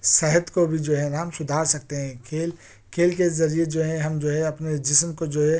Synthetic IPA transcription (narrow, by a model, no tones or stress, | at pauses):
səɦət̪kobʱid͡ʒoːɦɛ̃naːmsʊd̪ʱaːɾsɐk̚t̪eɦɛ̃kʰeːl | kʰeːlkezɐɾied͡ʒoːɦɛ̃ɦɐmd͡ʒoːɦɛ̃ɐpned͡ʒɪsmkod͡ʒoːɦɛ